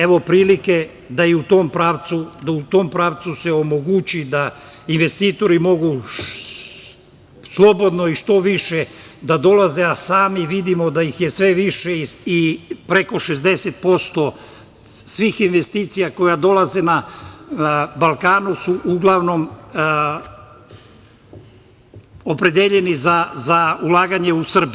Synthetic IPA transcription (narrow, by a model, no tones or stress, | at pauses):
e̞ʋo̞pɾiːlike̞ | d̪ajeut̪o̞ːmpɾaːʋt̪sud̪aut̪o̞ːmpɾaːʋt̪suse̞o̞mo̞ɡut͡ɕid̪a | inʋe̞st̪iːt̪o̞ɾimo̞ɡu | slˠo̞bo̞d̪no̞iʃt̪o̞ʋiʃe | d̪ad̪o̞laze̞asaːmiʋid̪imo̞d̪ajixjesʋe̞ʋiʃeiipɾe̞ko̞ʃezd̪e̞set̪̚po̞st̪o | sʋixinʋe̞st̪iːt̪sijako̞jad̪o̞lˠaze̞na | balˠkaːnusuʔuɡlˠaʋno̞m | opɾe̞d̪eʎe̞nizazaulˠaːɡaɲe̞usr̩bi